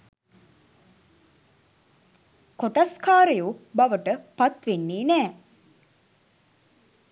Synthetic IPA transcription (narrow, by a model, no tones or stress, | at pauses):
koʈaskaːɾejubaʋəʈəpat̪ʋenːeːnɛː